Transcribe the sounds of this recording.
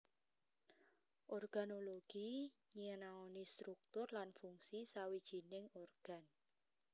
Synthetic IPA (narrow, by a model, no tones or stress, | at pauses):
ʔɔrɡ̥a̤noloɡ̥iɲiənaonist̪ɾuk̚t̪ʊrlanfuŋsisawid̥ʒ̥i̤nɪŋorɡ̥an